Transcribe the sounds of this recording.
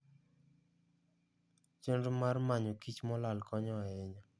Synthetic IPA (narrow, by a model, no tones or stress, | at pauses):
t͡ʃendomarmaɲokit͡ʃmɔlalkɔɲɔaɪɲɔ